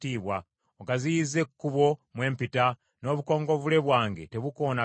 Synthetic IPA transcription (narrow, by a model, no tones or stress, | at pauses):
tiːβwa | oɡazijize̞kːuβo̞mwe̞ːmpita | no̞ːβuko̞ːŋɡo̞vule̞βwaːŋɡe̞̰te̞βuko̞ːna